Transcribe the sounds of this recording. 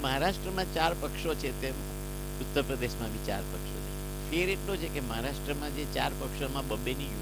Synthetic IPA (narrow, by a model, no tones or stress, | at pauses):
məɦaɾaʃʈɾəmãt͡ʃaɾpəkʃot͡ʃʰet̪em | ut̪ːəɾpɾəd̪eʃmãʋit͡ʃa̰ɾpəkʃo̰t͡ʃʰe | feɾeʈlot͡ʃʰekeməɦaɾaʃʈɾəmãd͡ʒet͡ʃaɾpəkʃomãbəbːeniju